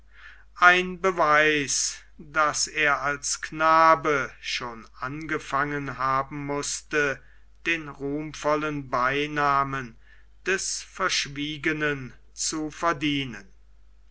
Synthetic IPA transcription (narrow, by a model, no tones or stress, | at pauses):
ʔaɪnbəvaɪs | d̥aseːɐalsknaːbəʃoːnʔanɡəfaŋənɦaːbm̩mʊstə | d̥eːnʁuːmfɔlənbaɪnaːmən | d̥ɛsfɛɐʃv̥iːɡənən | t͡sufɛɐdiːnən